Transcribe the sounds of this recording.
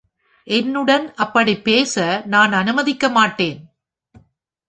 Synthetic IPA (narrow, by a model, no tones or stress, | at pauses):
ʔɛnːɯɽɐnɐpːɐɽipeːsɐnaːnɐnɯmɐðɪkːɐmaːʈːeːn